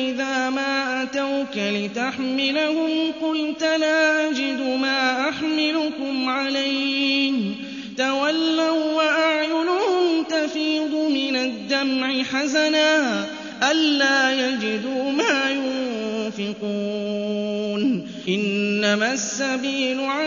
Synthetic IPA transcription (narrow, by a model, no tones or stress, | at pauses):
ʔɪðaːmaːʔat̪awkalɪt̪aħmɪlahʊmqʊlt̪laːʔad͡ʒɪd̪ʊmaːʔaħmɪlʊkʊmʕalajhɪm | t̪awalːawwaʔaʕjʊlʊhʊmt̪afiːd̪ˤʊmɪnad̪ːamʕɪħazanaː | ʔalːaːjad͡ʒɪd̪uːmaːjʊnfɪquː | n | ʔɪnːamaːsːabiːlʊʕa